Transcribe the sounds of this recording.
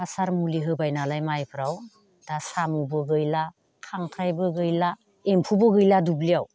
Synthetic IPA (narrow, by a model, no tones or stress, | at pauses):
asaɾmuliɦɯbajnalajmajpʰɾaw | d̥asamubɯɡɯjla | kʰaŋkʰɾajbɯɡɯjla | empʰubɯɡɯjladublijaw